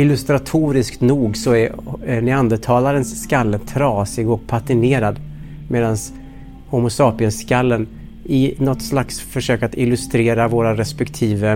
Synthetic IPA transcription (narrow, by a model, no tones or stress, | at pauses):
ɪlːɵst̪ɾat̪ʰuːɾɪskt̪nuːɡsɔæɾænɪand̪ət̪ʰɑːlaɾənsːkalːət̪ʰɾɑːsɪɡɔk̚pʰat̪ɪneːɾad̪ | meːd̪ans | hʊmʊsɑːpɪənskalːən | ɪnɔt̪slaksfœʂøːkat̪ɪlɵst̪ɾeːɾavoːɾaɾɛspɛkt̪ʰiːvə